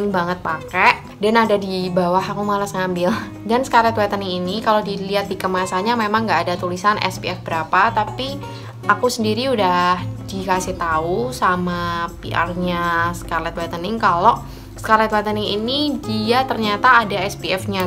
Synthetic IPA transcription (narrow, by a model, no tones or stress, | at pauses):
ŋbaŋət̪̚pakɛʔ | danadadibawaɦakumalasŋambɪl | dansəkalɛt̪wat̪ənɪŋinikalodiliɦat̪̚dikəmasaɲamemaŋɡaːdat̪ulisanʔɛ̰spiɛfbəɾapat̪api | ʔakusəndiɾiudahdikasɪht̪ausamapiʔa̰rɲasə̥kalɛt̪wat̪ənɪŋkalo | sə̥kalɛt̪wɛt̪ənɪŋinidiat̪ərɲat̪aːdaɛspiɛfɲa